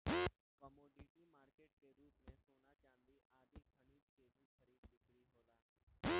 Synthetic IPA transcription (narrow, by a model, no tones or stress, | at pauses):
kəmoːɖiʈimaːɾkeːʈkeɾuːpnẽsoːnat͡ʃãːnd̪iʔaːd̪ikʰəɽ̃iːd͡ʒkeɾuːkʰəɾid̪ɪkɽiɦoːlaː